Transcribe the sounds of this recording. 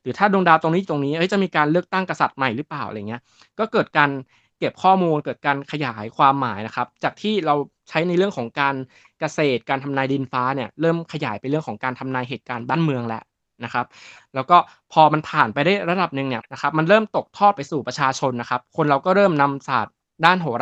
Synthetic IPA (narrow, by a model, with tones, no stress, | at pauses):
ɾɯː˩˦t̪ʰaː˥˩do˧ŋdaː˧wt̪o˧ŋniː˦˥˨t̪o˧ŋniː˦˥ʔɤ˦˥jt͡ɕa˨˩miː˧kaː˧nlɯ˥˩ək̚t̪a˥˩ŋka˧sa˨˩t̪̚ma˨˩jɾɯ˦˥plaː˨˩wʔjŋi˦ɐ | kɔː˥˩kɤː˨˩t̪̚kaː˧n | ke˨˩p̚kʰɔː˥˩muː˧nkɤː˨˩t̪̚kaː˧nkʰa˧jaː˩˦jkʰwaː˧mːaː˩˦jna˦˥kʰa˦˥p̚t͡ɕaː˨˩k̚t̪ʰiː˥˩ɾa˧wt͡ɕʰa˦˥jna˧jɾɯ˥˩əŋkʰɔː˩˦ŋkaː˧n | ka˧seː˨˩t̪̚kaː˧nt̪ʰa˧mnaː˧jdiː˧nfaː˦˥ni˥˩ɐɾɤː˥˩mkʰa˧ja̰ː˩˦jpa˧nɾɯ˥˩əŋkʰɔː˩˦ŋkaː˧nt̪ʰa˧mnaː˧jɦeː˨˩t̪̚kaː˧nbaː˥˩nmɯ˧əŋlɛ˦˥ʔ | na˦˥kʰa˦˥p̚lɛː˦˥wkɔː˥˩ | pʰɔː˧ma˧npʰaː˨˩npa˧jdaː˥˩jɾa˧da˨˩p̚nɯ˨˩ŋni˥˩ɐna˦˥kʰxʰa˦˥p̚ma˧nɾɤː˥˩mt̪o˨˩k̚t̪ʰɔː˥˩t̪̚pa˧jsuː˨˩pɾa˧t͡ɕʰaː˧t͡ɕʰo˧nːa˦˥kʰa˦˥p̚kʰo˧nɾa˧wkɔː˥˩ɾɤː˥˩mna˧msa̰ː˨˩t̪̚ | daː˥˩nɦoː˩˦